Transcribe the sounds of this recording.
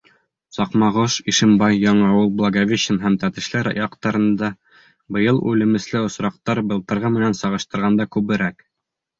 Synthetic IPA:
sɑqmɑʁɤʃiʃɘ̆mbɑjːɑɴɑɑwɤlˠblˠaɡavʲeɕɘnɦæmt̪æt̪ɘ̆ʃlɘɾɑ̰jɑqt̪ɑɾɤ̆nd̪ɑ | bɤ̆jɤlˠʉ̰lɘ̆mɘ̆slɘŏsɾɑq̚t̪ɑɾbɤ̆lˠt̪ɤ̆ɾʁɑmɘ̆nænsɑʁɤ̆ʃt̪ɤ̆ɾʁɑnd̪ɑkʉβɘ̆ɾæk

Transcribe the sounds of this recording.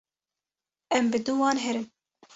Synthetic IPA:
ɛmbɨd̪uwɑːnɦɛɾɨm

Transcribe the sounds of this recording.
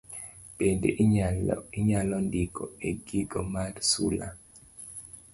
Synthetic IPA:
b̥endḛ | iɲalɔndikɔ̰eɡiɡɔmaɾsula̰

